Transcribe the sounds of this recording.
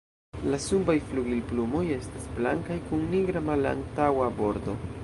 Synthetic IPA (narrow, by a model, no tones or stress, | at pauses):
lasubajfluɡilplumo̞je̞stasblaŋkajkunniɡɾamala̰ŋ̚tawabo̞ɾdo̞